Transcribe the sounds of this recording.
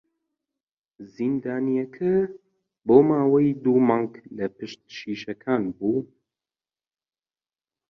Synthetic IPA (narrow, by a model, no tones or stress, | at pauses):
zind̪aːnijɛkʰɐ | boːmaːwɐjd̪uːmɑːŋɡlɐpɨʃt̪̚ʃiːʃɐkʰaːnbuː